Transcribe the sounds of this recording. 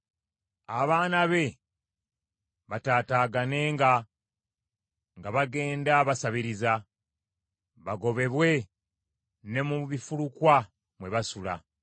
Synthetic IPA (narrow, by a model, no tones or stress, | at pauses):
aβaːnaβe̞ | βataːtaːɡane̞ŋɡa | ŋɡaβaɡe̞ːndaβasaβiɾiza | βaɡo̞βe̞βwe̞ | ne̞muβifulukwa | mwe̞βasula̰